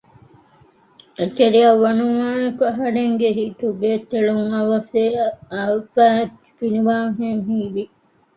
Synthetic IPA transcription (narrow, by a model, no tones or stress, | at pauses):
et̪eɾiɐʋːɐnumaːekuɐɦɐɾeŋɡeɦiːt̪uɡeːt̪ːeɭuŋɐʋɐseɐfæːtːi̥finiʋaːŋɦeŋɦiːʋi